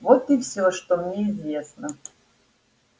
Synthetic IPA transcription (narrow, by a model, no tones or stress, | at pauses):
vot̪ifsʲoʂt̪omnʲeɪzvʲesnə